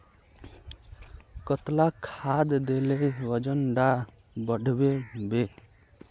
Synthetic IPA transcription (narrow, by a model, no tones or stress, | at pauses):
kɔt̪lakʰad̪d̪elewəd͡ʒənɖa | bəɖʱbebe